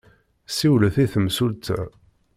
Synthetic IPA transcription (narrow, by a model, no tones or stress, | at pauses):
siwləθiθəmsult̪æ̰